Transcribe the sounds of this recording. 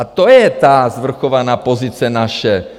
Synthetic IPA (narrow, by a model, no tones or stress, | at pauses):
at̪ɔjɛt̪aːzʋr̩xɔʋanaːpɔzit͡sɪanaʃɛ